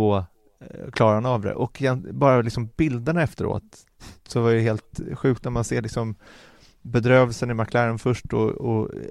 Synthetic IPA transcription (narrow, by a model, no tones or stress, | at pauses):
o | kʰlɑːɾaanavd̪ɛ̰ʔɔkɪjɛnbɑːɾalɪksɔmbɪld̪əɳaɛft̪əɾo̰ːt̪ | sɔvaɾɛheːlt̪ɧʉ̟ːk̚t̪næɾmanseːɭɪksɔm | bɛd̪ɾøːvɛlsənɪmakʰlæːɾənfœʂʈɔ̰ɔ